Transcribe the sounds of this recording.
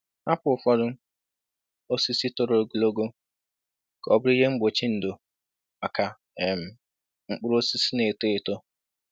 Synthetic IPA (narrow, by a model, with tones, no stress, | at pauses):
a˦pʊ˨ʊ˨fɔ˦dʊ˦ | o˦si˦si˦tʊ˨ɾo˨o˨ɡu˨lo˦ɡo˦˨ | kɔ˦bʊ˦ɾi˦ɦe˦ŋ͡m̩˦ɡ͡bo˨t͡ʃi˦n̩˨do˨ | a˨ka˨ | ɛ˨m̩˨ | ŋ͡m̩˦k͡pʊ˦ɾo˦si˦si˦ne˨te˦˨to˦